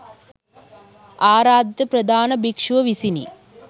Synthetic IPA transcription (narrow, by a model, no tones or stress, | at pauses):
aːɾaːd̪ʱjɐpɾɐd̪ʱaːnɐbikʂʋɐʋisinḭ